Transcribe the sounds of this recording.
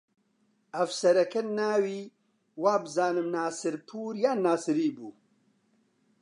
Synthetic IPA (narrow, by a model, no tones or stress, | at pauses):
ɐvsɐɾɐkɐnaːwiː | waːbɨzaːnɨmnaːsɨɾpʰuːɾjaːnaːsɨɾiːbuː